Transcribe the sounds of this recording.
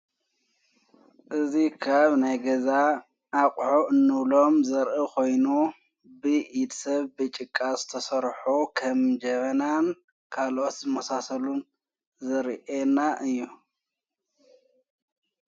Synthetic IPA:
ʔɨzikʰaβnajɡɐza | ʔːqʼħoʔɨnːɨβlo̞mzɐɾʔɨkʰo̞jnu | bɨʔid̪sɐβbɨt͡ʃʼɨkʼːazɨ̥t̪ʰɐsɐɾħokʰɐmd͡ʒɐmɐnan | kʰalʔot̪zɨmɐsasɐlun | zɐɾʔenaʔɨjːu

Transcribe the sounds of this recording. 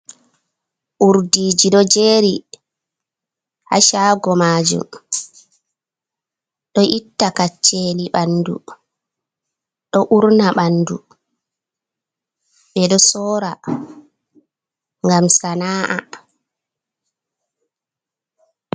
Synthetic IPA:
ʔuɾdiːd͡ʒiɗɔd͡ʒeːɾi | ha̰ʃaːɡɔmaːd͡ʒṵm | ɗɔʔitːakat͡ʃːeliɓandṵ | ɗɔʔuɾnaɓandu | ɓɛɗɔsɔːɾa | ŋɡamsanaːʔa̰

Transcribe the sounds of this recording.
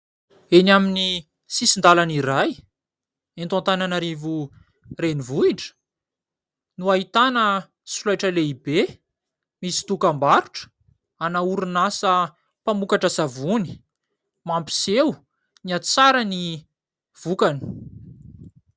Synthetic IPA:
enamini | sisind̪alaniɾaj | ent̪ant̪ananaɾivu | renivuiʈ͡ʂə̥ | nuaɦit̪anə | sulajʈ͡ʂəleibe | misi̥t̪ukambaɾuʈ͡ʂə̥ | anauɾunasə | pamukaʈ͡ʂəsavuni̥ | mampi̥sew | niat͡saɾəni | v̥ukani̥

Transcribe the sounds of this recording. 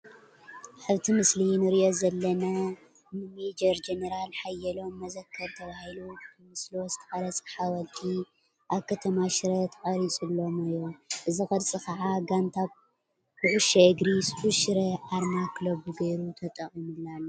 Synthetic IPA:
ħɨβt̪ʰimɨslinɨɾiʔo̞zɐlːɐna | nɨmed͡ʒɐɾd͡ʒenɐɾalħajːɐlo̞mːɐzɐkʰːɐɾt̪ʰɐβahilut̪ʰɨmɨslozɨ̥t̪ʰɐxʼɐɾɐt͡sʼħawɐlt̪ʰi | ʔaβkʰɐt̪ʰɐmaʃɾɐt̪ʰɨqʼɐɾit͡sʼulːo̞mɨjːoʔɨzixɐdt͡sʼɨkaʕaɡant̪ʰaβ | bɨʕuʃɐɨɡɾisuʃɾɐʔaɾnaklobuɡɐjɾut̪ʰɐt̪ʼɐχʼimulalːo

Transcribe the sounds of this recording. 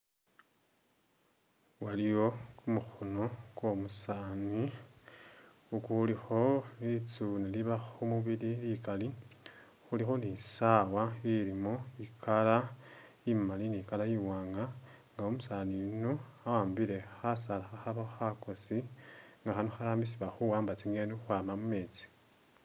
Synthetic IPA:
walijo̞kumuxuno̞kwo̞musaːni | ukulixo̞lit͡suneliβaxumuβililikali | xulixo̞nisawailimoikʰala | imalinikalajiwaːŋɡa | ŋɡaomusaninoawaːmbile̞xasalaxaxaβaxako̞siŋɡaxanoxalaːmbisiβaxuwaːmbat͡siŋɡenixwaːmamume̞ːt͡si̥

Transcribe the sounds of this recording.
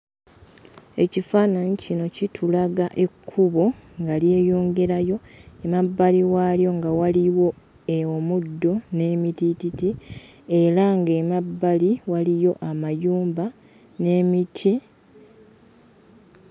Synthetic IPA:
e̞cifaːnaɲicino̞citʰulaɡaʔe̞kʰːuβoŋɡalje̞ːjo̞ːŋɡe̞ɾajo̞emabːaliwaljo̞ŋɡawaliwo̞ | eomudːo̞ne̞mitititi | e̞ɾaŋɡemabːaliwalijo̞ʔamajuːmba | ne̞ːmitʰi

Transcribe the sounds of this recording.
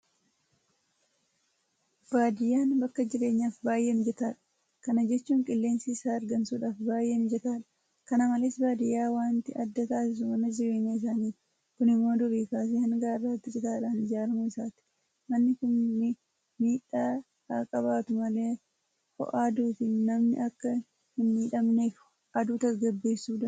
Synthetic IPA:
b̥aːd̪ɪjːaːnbɐkːɐd͡ʒɪɾe̞ːɲːaːfbaːjːʔenɪd͡ʒɛt̪aːᶑɐ̥ | kɐnɐd͡ʒɛt͡ʃːuːŋkʼɪlːe̞ːnsɪsaːɐɾɡɐnsuːᶑaːfbaːjʔeːnɪd͡ʒɛt̪aːᶑɐ̥ | kɐnɐmɐleːsbaːd̪ɪjːaːwaːnt̪ɪɐd̪ːɐt̪aːsɪs̬ʊmɐnɐd͡ʒɪɾe̞ːɲːɐɪs̬aːniː | kʊnɪmːo̞ːd̪ʊbiːkaːs̬eːhɐŋɡaːrːaːt̪ːɪd͡ʒʼɛt̪aːᶑaːnɪd͡ʒaːɾmɐɪsaːt̪ɪ̥ | mɐnːɪkʊnːɪ | miːᶑaː | haːkʼɐβaːt̪ʊmɐle̞ː | fɔ̰ʔaːd̪uːt̪ɪnɐmnɪ̰ʔɐkːɐ | hɪnːiːᶑɐmnekʊ̥ | ʔɐd̪uːt̪ɐsɡɐbːe̞ːsːuːᶑɐ

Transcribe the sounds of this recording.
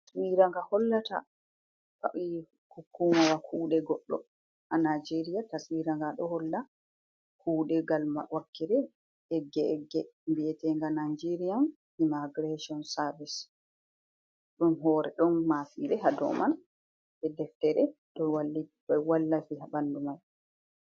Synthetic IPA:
swiɾaŋɡahɔlːata̰ | ka̰ʔi | hukʰːumawakʰuːɗɛɡɔɗːɔ̰ | ʔanad͡ʒeɾijataswiːɾaŋɡaɗɔhɔlːa | kʰuːɗɛɡalmawakːiɾɛ | ɛɡːɛɛɡːɛmbiɛtɛŋɡanajd͡ʒeɾijan | imaɡɾeʃiɔnsaɾvis | ɗumɦɔɾɛ̰ɗɔnːafiɾɛhadɔ̰ːman | bɛdɛftɛɾɛɗɔwalːibɛwalːafiɦabandumal

